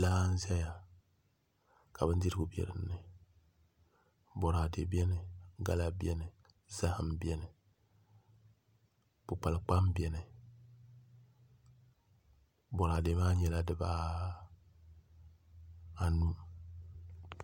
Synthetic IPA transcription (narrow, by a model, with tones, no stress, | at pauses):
laː˦n̩˦zɛ˦ja˨ | ka˨bɨ˦ndi˦ɾɨ˦ɡʊ˦bɛ̰˨ɾɨ̰˨nː˦ɨ˨ | bɔ˨ɾa˨de˨bɛ˦nɨ˨ɡa˦la˦bjɛ˦nɨ˨ | za˦hɨ˨mbɛ˦nɨ˨ | pʊ˨k͡pa˨lɨ˨k͡pa˦mbjɛ˨nɨ˨ | bɔ˨ɾa˨de˨maː˦ɲɛ˨la˦dɨ˦baː˦ | a˨nu˦